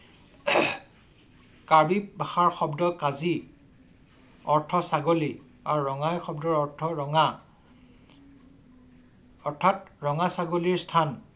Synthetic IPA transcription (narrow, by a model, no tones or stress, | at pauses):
kaɹbibʱaxaɹxɔbdɔkazi | ɔɹtʰɔsaɡoli | a̰ɹuɹɔŋajxɔbdɔɹɔɹtʰɔɹŋa | ɔɹtʰatɹɔŋasaɡoliɹstʰan